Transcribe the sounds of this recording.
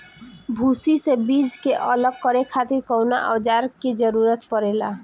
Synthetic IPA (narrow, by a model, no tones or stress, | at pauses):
bʱusisebid͡ʒkeʔələɡ̚kəɾekʰat̪iɾkɔwna̰ʔɔd͡ʒaɾked͡ʒəɾuɾət̪pəɾela̰